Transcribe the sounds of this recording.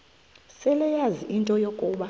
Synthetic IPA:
sɛlɛjaziʔintʼɔjokʼuːɓa

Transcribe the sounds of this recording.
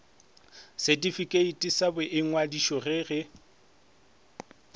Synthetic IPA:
setʼifikʼeitʼisabɛʔɪŋwadiʃɔrɪːrɪ

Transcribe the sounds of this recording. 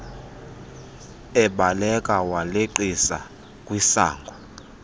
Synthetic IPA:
ɛɓalɛkʼawaleǃisa̰ | kʼwisa̰ːŋɡʱɔ

